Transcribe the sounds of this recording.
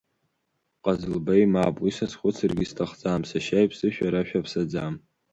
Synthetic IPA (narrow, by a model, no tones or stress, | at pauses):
qʼazɨlbejmapʼwisasχʷʊt͡sʰɨrɡʲɪstʰaχd͡zamsaʃajpʰsɨʃᶣaɾaʃᶣapʰsad͡zam